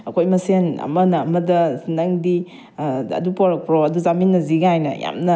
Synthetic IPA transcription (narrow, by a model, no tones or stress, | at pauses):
ɐkʰojmɐsenɐ̰mɐnɐɐmɐdɐsinɐŋdi | ɐ̰dupoɾɐk̚pɾoɐduzaminːɐziɡajnɐ̰ja̰mnɐ